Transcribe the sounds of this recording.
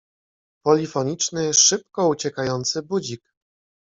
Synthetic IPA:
pɔlʲifɔɲit͡ʂnɘʂɘp̚kɔut͡ɕɛkajɔnt̪sɘbud͡ʑik

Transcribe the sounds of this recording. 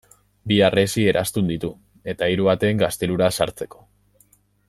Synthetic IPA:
biare̞sie̞ɾʔa̰st̪und̪it̪u | e̞t̪aiɾuβat̪e̞ːŋɡast̪e̞luɾasa̰ɾt͡se̞ko̞̥

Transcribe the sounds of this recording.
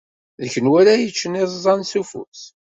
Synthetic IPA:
ðəçənwæɾæjət͡ʃːənɪðˤzˤɑnsufṵs

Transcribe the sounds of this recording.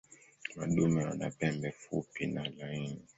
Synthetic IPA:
maɗumɛwa̰na̰pɛmbɛfupinalaini

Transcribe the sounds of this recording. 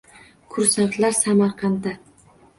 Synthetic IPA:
kʰʊɾsaklaɾsamɑɾqʰɑnd̪a

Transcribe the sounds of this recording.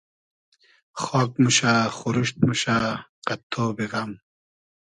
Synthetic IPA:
xɔːk̚muɕaːχuɾuɕt̪̚muɕaːqɐt̪ʰːoːbiɣɐm

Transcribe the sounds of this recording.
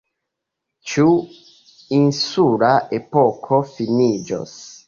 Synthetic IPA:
t͡ʃu | insuɾaʔepokʰofinid͡ʒo̰s

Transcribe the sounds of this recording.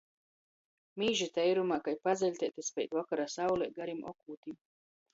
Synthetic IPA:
miːʒit̪ɛjɾumaːkajpad̪zʲɛlʲt̪ɛːt̪ispʲɛjt̪ʲvɔkaɾasawlˠɛːɡaɾimɔ̰kuːt̪im

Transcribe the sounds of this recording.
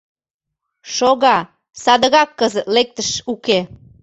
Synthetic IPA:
ʃoɣɑ | sɑd̪əɣɑkːəzət̪lek̚t̪əʃuke

